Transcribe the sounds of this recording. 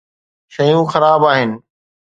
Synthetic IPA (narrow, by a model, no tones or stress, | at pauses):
ʃɐjũːxɐɾaːbaːɦɪnɪ̆